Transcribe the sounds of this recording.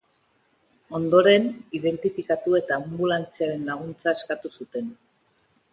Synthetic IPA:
o̞nd̪o̞ɾe̞niðe̞nt̪ifikat̪ue̞t̪ambulant͡siaɾe̞nlaɣ̞unt͡saeskat̪usut̪e̞n

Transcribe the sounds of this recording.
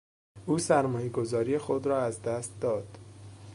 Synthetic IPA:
ʔuːsæɾmɒːjeɡo̞zɒːɾijexod̪ɾɒːæzd̪æst̪̚d̪ɒːd̪̥

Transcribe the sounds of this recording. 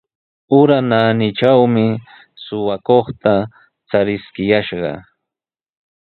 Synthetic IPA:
ʊɾananɪt͡ʃawmɪ | sʊwakoχt̪a | t͡saɾɪskɪjaʃɢɑ̰

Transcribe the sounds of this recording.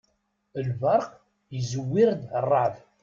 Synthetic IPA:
əlvɑɾˤq | jəzəwːiɾd̪rˤːɑʕf

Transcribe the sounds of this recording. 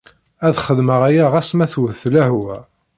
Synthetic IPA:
æðχəðməʁæjæʁæsmæθwəθːlæhwæ

